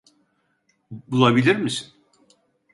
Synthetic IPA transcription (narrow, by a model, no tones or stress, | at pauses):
bulˠabilʲiɾmisin